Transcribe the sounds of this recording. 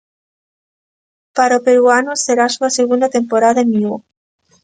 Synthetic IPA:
paɾopeɾuanoseɾasuaseɣund̪at̪e̞mpoɾaðaenio

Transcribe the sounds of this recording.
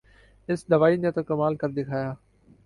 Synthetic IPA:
ɪsd̪ɐʋaːiːnẽt̪okɐmaːlkɐɾd̪eːkʰaːjaː

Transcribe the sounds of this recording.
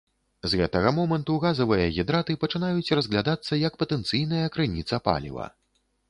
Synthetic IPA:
zɣɛt̪ɐɣɐmɔmɐnt̪uɣazɐvɨjɐɣʲid̪ɾat̪ɨpɐt͡ʂɨnajut͡sʲrɐzɣlʲad̪at̪sːɐjɐkpɐt̪ɛnt̪sɨjnɐjɐkɾɨnʲit̪sɐpa̰lʲḭvɐ̰

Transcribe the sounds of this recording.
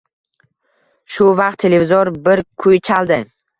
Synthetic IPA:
ʃʊvɑq̚t̪ʰːelevɪzɔɾbɪɾkʰʊjt͡ʃʰalˠd̪ɪ

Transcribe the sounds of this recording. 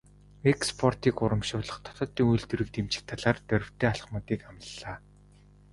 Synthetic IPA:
ekspʰɔrt̪iːkʊɾə̆mʃʊːɮə̆χt̪ʰɔ̥t̪ɞ̆t̪ːiːŋujɮt̪ɵ̆ɾɘ̆k̚t̪emt͡ɕɪ̥̆k̚t̪ʰaɮaːrt̪œɾʲɪ̆w̥t̪ʰeːaɮ̆χmʊːt̪iːkamə̆ɮːaː

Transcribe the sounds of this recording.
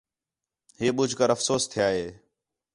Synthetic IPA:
ɦeːɓʊd͡ʒʱkəɾəfsoːst̪ʰɪjaːɦeː

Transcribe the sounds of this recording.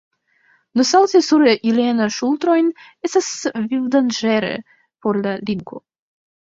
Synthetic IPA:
nosawt̪esuɾʔilianaʃult̪ɾo̞jnestasvivd̪and͡ʒeɾḛ | poɾlaliŋko̰

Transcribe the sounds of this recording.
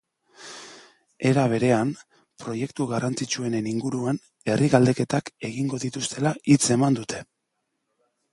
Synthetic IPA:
e̞ɾaβ̞e̞ɾe̞am | pɾo̞je̞kt̪uɣarant͡sit͡ʃue̞ne̞niŋɡuɾuan | e̞rʔiɣald̪e̞ke̞t̪ake̞ɣiŋɡo̞ðit̪ust̪e̞lait͡se̞mand̪ut̪e̞

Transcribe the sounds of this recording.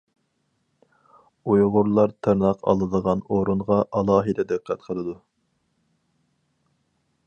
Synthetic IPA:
ujʁʊɾlˠɑɾt̪ʰɨɾnɑqɑ̰lˠɨd̪əʁɑnoɾunʁɑʔɑlˠɑːɦɨd̪ɛd̪ɨqʰːæt̪qʰəlˠɨd̪u

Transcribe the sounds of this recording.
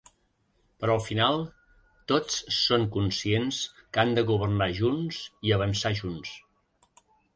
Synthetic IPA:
pəɾɔlˠfinalˠ | t̪ot͡sːoŋkunsienskand̪əɣuβ̞ərnaʒunsiəβ̞ənsaʒuns

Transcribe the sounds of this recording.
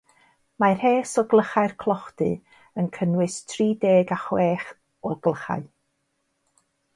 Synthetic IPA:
mar̥heːsɔɡlˠəχaɨrkʰlˠɔχdɨ̰ | ənkʰənwɨstʰriːdeːɡaχwɛeːχ | ɔɡlˠəχa̰ɨ

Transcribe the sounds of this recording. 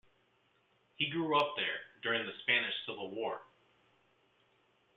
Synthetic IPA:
hiɡɹuʌp̚ðə˞dʊɹɪ̃ŋðɨspænɨʃsɪvl̩ˠwɔɹ

